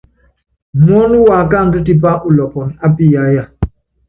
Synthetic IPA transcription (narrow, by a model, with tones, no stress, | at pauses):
mɔ˦nu˦wa˨ka˦˨n˦du˦ti˦ba˦ʔu˨lɔ˨pɔ˨na˦pi˦˨ja˦ja˦˨